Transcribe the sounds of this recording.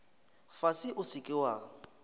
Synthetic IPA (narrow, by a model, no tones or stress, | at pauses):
fasɪʔʊsɪkʼɪwa